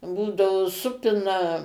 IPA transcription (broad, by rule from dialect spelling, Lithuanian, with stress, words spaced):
ˈbuːdɐʋoː ˈsʊpʲɪnɐ